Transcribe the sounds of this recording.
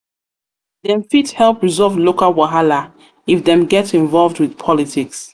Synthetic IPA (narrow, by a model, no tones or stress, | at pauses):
ðɛ̃mfithɛlˠpɹizɔvlokalwaɦala | ifðɛ̃mɡɛtĩɱvɔlˠvdwiðpʰɔlitʰiks